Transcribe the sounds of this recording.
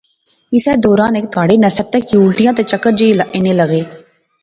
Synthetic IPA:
ɪsɛːd̪ɔːɾaːneːk̚t̪aːɽeːnɐsəɾ̚t̪ɛkːiʊɭʈɪjãːt̪et͡ʃɐkːəɾd͡ʒeilʔeːneləɡeː

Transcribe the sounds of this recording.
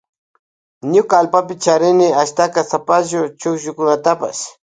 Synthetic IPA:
ɲʊkaːlpapɪt͡ʃaɾɪnɪaʃt̪akasapaʒʊt͡ʃʊkʒʊkʊnat̪apa̰s

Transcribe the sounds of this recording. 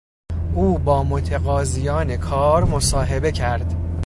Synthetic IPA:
uːbɒːmot̪ʰeɣɒːzijɒːne̞kʰɒːɾmosɒːɦe̞be̞cʰæɾd̪̥

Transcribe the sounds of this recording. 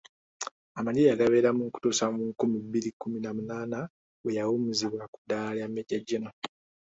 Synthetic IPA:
amaɲijaɡaβeɾamuŋku̥tusamuŋkumibːilikːuminamunaːna | wejawumuziβwaku̥dalamːeɟaɟino

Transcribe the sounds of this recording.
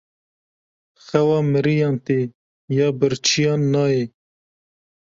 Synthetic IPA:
xɐwɑːməɾijɑːnt̪e | jɑːbəɾt͡ʃʰijɑːnːɑːe

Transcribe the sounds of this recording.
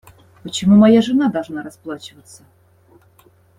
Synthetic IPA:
pət͡ɕɪmumɐjaʐɨnad̪ɐlˠʐnaɾɐsplˠat͡ɕɪvət̪sːə

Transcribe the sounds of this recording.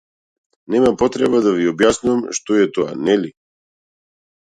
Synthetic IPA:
nɛmapɔt̪ɾɛβad̪aviɔbjasnuamʃt̪ɔɛt̪ɔa̰nɛli

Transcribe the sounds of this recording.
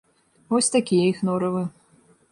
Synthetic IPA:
vɔsʲt̪akʲijɛixnɔɾɐvɨ

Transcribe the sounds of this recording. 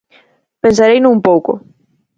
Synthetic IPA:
pẽnsaɾejnʊũmpowko̰

